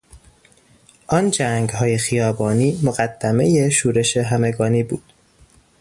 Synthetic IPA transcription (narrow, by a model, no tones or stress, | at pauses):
ʔɒːnd͡ʒæŋɡhɒːje̞xijɒːbɒːniːmoɣæd̪̥ːæme̞je̞ʃuːɾe̞ʃe̞ɦæme̞ɡɒːniːbṵːd̪̥